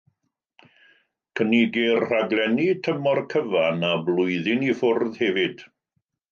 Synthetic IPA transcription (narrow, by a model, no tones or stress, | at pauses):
kʰəniɡɪrr̥aɡlˠɛnitʰəmɔrkʰəvanablˠʊɨðɪnifʊrðhɛvɪd̥